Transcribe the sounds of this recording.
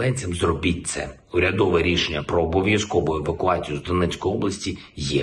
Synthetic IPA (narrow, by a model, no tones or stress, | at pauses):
ɛnʲt͡sʲɐmzrɔbʲit̚ʲt̪sɛ̰ | ʊɾʲɐd̪ɔʋɛɾʲiʃe̞nʲːɐpɾɔːbɔʋjɐskɔʋʊeʋɐkʊɑt͡sʲijʊzd̪ɔnɛsʲkɔjiɔblˠɐsʲtʲijɛ